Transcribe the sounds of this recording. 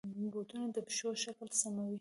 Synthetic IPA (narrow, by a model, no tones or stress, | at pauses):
bot̪unad̪əpʃoʃaklsamawi